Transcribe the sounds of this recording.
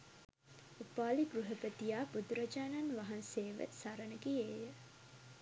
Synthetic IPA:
upaːliɡɾuɦəpət̪ijaːbud̪uɾɐd͡ʒaːnanʋaɦanseːʋə̰saɾənəɡieːjə

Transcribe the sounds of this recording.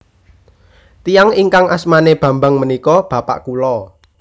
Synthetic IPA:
t̪ijaŋiŋkaŋʔasmaneb̥ä̤mba̤ŋmənikɔb̥ä̤pa̰ʔkulɔ

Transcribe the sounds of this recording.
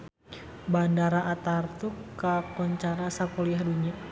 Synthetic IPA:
bandaɾaʔat̪art̪ukːakɔɲt͡ʃaɾasakɔliahduɲia

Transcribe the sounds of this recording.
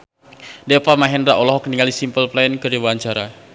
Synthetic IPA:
dɛpamaɦɛndɾaʔɔlɔɦɔk̚niŋalisimpəlplankəɾiwaɲt͡ʃaɾa

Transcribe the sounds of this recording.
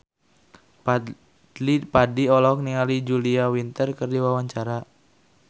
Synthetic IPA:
p | ipadiɔlɔk̚niŋalid͡ʒuliawint̪ərkərdiwawaɲt͡ʃaɾa

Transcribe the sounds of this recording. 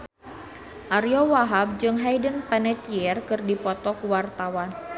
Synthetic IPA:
ʔaɾjɔwaɦab̚d͡ʒɨŋɦajdənpɛnɛt̪iɛrkɨrdipɔt̪ɔkuwart̪awan

